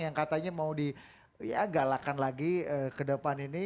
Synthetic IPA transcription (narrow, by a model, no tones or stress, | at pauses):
jaŋkat̪aɲamaudi | ja̰ɡalakanlaɡiəːkədəpanini